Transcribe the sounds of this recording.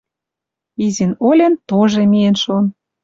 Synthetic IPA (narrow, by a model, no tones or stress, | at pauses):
izinolʲĕnt̪oʒemijenʃon